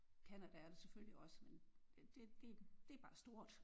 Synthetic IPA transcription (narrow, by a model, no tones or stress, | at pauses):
kʰænæd̥æɐd̥esefølliɒ̽səmened̥e̝d̥e̝d̥e̝æɐb̥ɑ̈ːsd̥o̝ɐ̰d̥